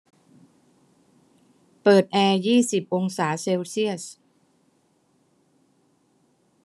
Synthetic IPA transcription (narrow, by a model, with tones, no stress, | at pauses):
pɤː˨˩t̪̚ʔɛː˧jiː˥˩si˨˩p̚ʔo˧ŋsaː˩˦seː˧wsi˥˩əs